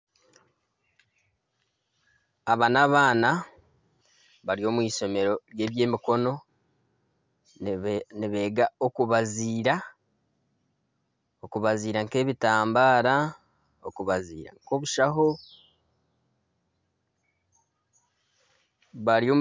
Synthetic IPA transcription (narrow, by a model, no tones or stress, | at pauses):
aβanaβaːna | βaɾio̞ːmwiːso̞me̞ɾo̞ɾje̞ːβje̞ːmiko̞no̞ | niβe̞ːɡaokuβaziːɾa | okuβaziːɾaŋke̞ːβitaːmbaːɾa | okuβazḭːɾa̰ŋko̞ːβuʃaɦo̞ | βaɾio